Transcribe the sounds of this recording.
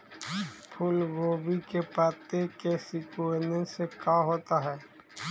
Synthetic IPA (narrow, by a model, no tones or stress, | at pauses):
pʰʊlɡoːbikepaːt̪ekesɪkuenẽsekaːɦoːt̪aɦɛː